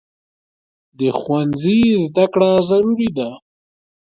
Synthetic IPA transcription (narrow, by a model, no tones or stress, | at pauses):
d̪əxwanzizd̪akɽazaɾuɾid̪a